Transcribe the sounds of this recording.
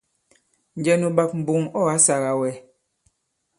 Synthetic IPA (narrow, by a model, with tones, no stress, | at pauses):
n̩˨d͡ʒɛ˦nu˨ɓa˦p̚m̩˨bu˨ŋɔ˦a˦sa˨ɣa˨wɛ˨˦